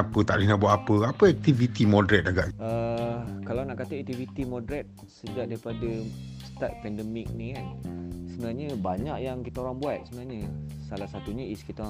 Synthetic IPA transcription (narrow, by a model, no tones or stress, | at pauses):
apət̪aʔlihnaʔbuaʔapəapəɛk̚t̪ivit̪imɔdɾɛt̪aɡaʔəkalawnaʔkat̪əʔɛk̚t̪ivit̪imɔ̃dɾɛt̪̚ | səd͡ʒaʔ̚daɾipada | st̪at̪̚pɛndəmik̚nikansəbənaɲəbaɲakjaŋkit̪aoɾaŋbuat̪̚səbənaɲəsalahsat̪uɲəiskit̪a